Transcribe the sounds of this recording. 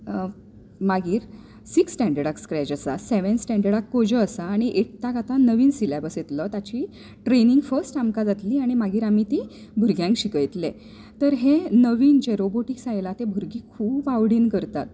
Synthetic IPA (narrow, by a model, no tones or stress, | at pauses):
maɡiːɾ | siksːʈɛ̃ɳɖəɽakskɾɛd͡ʑasaseʋensʈɛ̃ɳɖəɽakːod͡ʑəːsaːɽ̃iʔeʈ̚t̪akat̪ãnəʋiːnsilabəset̪lət̪at͡ɕiː | ʈɾeniŋɡfəsʈamkad͡zat̪liːaɽ̃imaɡiːɾamiːt̪ibʱuɾɡjãŋkɕikəjt̪le | t̪əɾɦenəʋiːnd͡ʑeɾoboʈiksajlat̪ẽbʱuɾɡiːkʰuːbaʋɽiːnkəɾt̪at̪̚